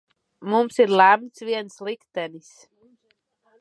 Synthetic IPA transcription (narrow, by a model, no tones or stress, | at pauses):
mumsiɾlæmsviɛnslikt̪ɛnis